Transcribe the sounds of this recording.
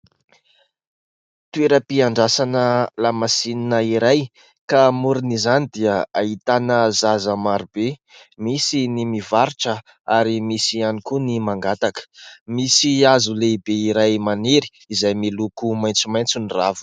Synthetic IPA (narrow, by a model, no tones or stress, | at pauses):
t̪ueɾəpiaɳɖ͡ʐasanəlamasininəiɾaj | kamuɾunizanid̪iəait̪anəzazamaɾubemisinimivaɾiʈ͡ʂə | aɾimisianikunimaŋɡat̪akə̥misiazulebeiɾajmaneɾi̥ːzajmilukumajnt͡sumajnt͡suniravu̥